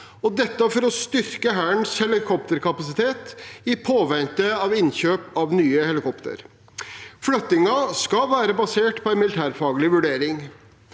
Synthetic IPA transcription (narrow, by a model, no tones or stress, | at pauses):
ɔd̪ɛt̪ːəfɔɾɔst̪ʏɾkəɦæːɳshɛlɪkʰɔp̚t̪əɾkɑpɑsɪt̪ʰeːt̪ɪpʰoːʋɛnt̪əɑʋɪnçøːpɑʋnyːəhɛlɪkʰɔpt̪ʰə̰ɾ | flœt̪ːɪŋɑskɑʋæːɾəbɑseːʈpʰɔæɪnmɪlɪt̪ʰæːɾfɑːɡəlɪʋʉɖeːɾɪŋ